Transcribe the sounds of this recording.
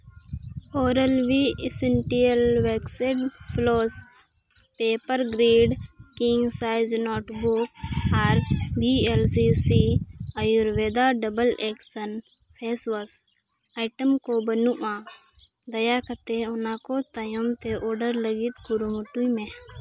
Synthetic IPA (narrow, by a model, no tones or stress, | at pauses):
oːɾəlwiseɳʈiəlwekseʈpʰloːs | peːpəɾɡɾiːɖkiŋɡsaɪznɔːʈbuk̚aɾbielsisiəjuɾʋeːd̪aɖəbəlɛksən | pʰeːswəs | ajʈəmkobənuʔã | d̪əjakət̪eɔnakot̪əjɔmt̪eʔɔːɖəɾləɡit̪ɡuɾumuʈujmẽ